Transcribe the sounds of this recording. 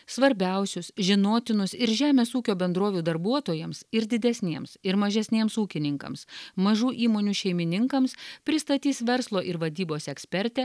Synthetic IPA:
sʋɐɾʲbʲɛˑʊsʲʊsʒʲɪnoːt̪ʲɪnʊsɪɾʒʲæːmʲeːsuːkʲoːbʲɛnd̪ɾoːʋʲuːd̪ɐɾbuɔt̪oːjɛmsɪɾd̪ʲɪd̪ʲɛsʲnʲiɛmsɪɾmɐʒʲɛsʲnʲeɛmsuːkʲɪnʲɪŋkɐ̰msmɐʒuːʔiːmoːnʲuːʃʲɛɪmʲɪnʲɪŋkɐmspʲɾʲɪst̪ɐt̪ʲiːsʋʲɛɾslˠoːʔɪɾʋɐd̪ʲiːboːsɛksʲpʲɛɾʲt̪ʲɛ

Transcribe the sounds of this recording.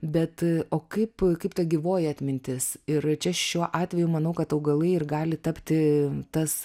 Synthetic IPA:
bʲɛt̪oːkɐɪpkɐɪpt̪ɐɡʲɪʋoːjɛɐt̪ʲmʲɪnʲt̪ʲɪsɪɾt͡ʃʲɛʃʲuɔʔɑːt̪ʲʋʲɛjʊmɐnɐʊkɐt̪ɐʊɡɐlˠɐɪɪrɡɑːlʲɪt̪ɐpʲt̪ʲɪt̪ɐs

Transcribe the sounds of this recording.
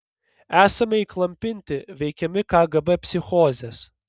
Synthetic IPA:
æːsɐmʲɛiklˠɐmʲpʲɪnʲt̪ʲɪʋʲɛɪkʲɛmʲɪkɑːɡɐbɛpʲsʲɪxɔːzʲɛs

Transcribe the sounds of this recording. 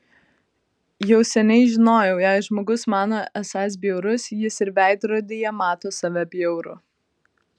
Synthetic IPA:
jɛʊsʲɛnʲɛɪʒʲɪnoːjɛʊjɛˑɪʒmoːɡʊsmɑːnoːʔɛsɑːs̬bʲjɛʊɾʊsjɪsɪɾʋʲæˑɪd̪ɾoːd̪ʲejɛmɑːt̪oːsɑʋʲɛbʲjɛʊɾʊ̰

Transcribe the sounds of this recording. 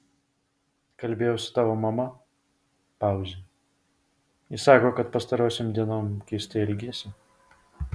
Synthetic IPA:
kɐlʲbʲeːjɛʊsʊ̥t̪ɑːʋomɐmɐ | pɑˑʊzʲɪ | ɪsɑːkoːkɐt̪̚pɐst̪ɐɾoːsʲemd̪ʲiɛnoːmkʲɛɪsʲt̪ʲeɪlʲɡʲeːsʲɪ

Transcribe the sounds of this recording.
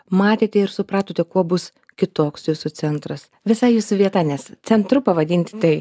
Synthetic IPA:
mɑːt̪ʲeːt̪ʲɛɪɾsʊpɾɑːt̪oːt̪ʲɛkuɔbʊs | kʲɪt̪oːksjuːsʊt͡s̪ʲɛnt̪ɾɐs | ʋʲɪsɐɪjuːsʋʲiɛt̪ɑnʲɛst̪sʲɛnt̪ɾʊpɐʋɐd̪ʲɪnʲt̪ʲɪt̪ʲɛɪ

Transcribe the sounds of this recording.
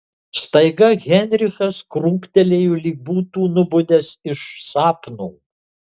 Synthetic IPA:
st̪ɐɪɡɐɣʲɛnʲɾʲɪxɐskɾuːpʲt̪ʲɛlʲeːjulʲiːbuːt̪uːnʊbʊd̪ʲɛsɪʃsɑːpnuː

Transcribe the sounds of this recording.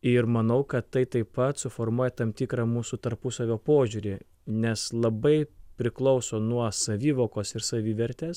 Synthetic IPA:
ɪɾmɐnɐʊkɐt̪t̪ɐɪt̪ɐɪpɐt̪sʊfoːɾmuɔjɛt̪ɐmt̪ʲiːkɾɑmuːsut̪ɐɾpʊsɐʋʲoːpoːʒʲuːɾʲɪ | nʲɛslˠɐbɐɪpʲɾʲɪklˠɒʊsoːnuɔsɐʋʲiːʋoːkoːsɪɾsɐʋʲiːʋʲɛɾʲt̪ʲeːs

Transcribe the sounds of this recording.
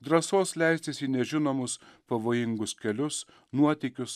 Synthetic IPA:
d̪ɾɐsoːslʲæɪsʲt̪ʲɪsʲiːnʲɛʒʲɪnoːmʊspɐʋoːjɪŋɡʊskʲɛlʲʊs | nuɔt̪ʲɛkʲʊs

